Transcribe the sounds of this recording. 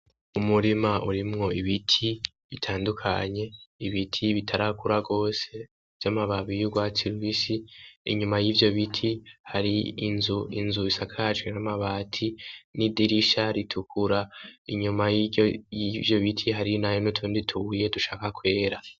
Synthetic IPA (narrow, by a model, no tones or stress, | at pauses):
umuɾimaʔuɾimŋo̞iβitʰi | βitʰaːndukʰa̰ɲe̞iβitʰiβitʰaɾakuɾaɡo̞ːse̞ | vjamaβaβijuɡwatiɾwisḭːɲumajiːvjo̞βitʰihaɾiːnzuinzuisakʰaat͡ʃwinamaβaːtʰinidiɾiʃaɾitʰukʰuɾaiɲumajiojivjo̞βitʰiɦaɾinajonutʰuːnditʰuuje̞duʃaːkakwe̞ːɾa